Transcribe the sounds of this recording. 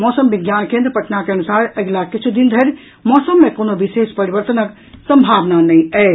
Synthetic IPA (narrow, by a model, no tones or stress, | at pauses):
mɔːsəmbiɡjaːnkẽːnd̪ɾəpəʈnakeɐnusaːɾəɡlakit͡ʃʰud̪ind̪ʱəɾ | mɔːsəmːẽkoːnobiʃeːspəɾibəɾt̪ənək | sə̃mbʱaːʋnanɛĩɛ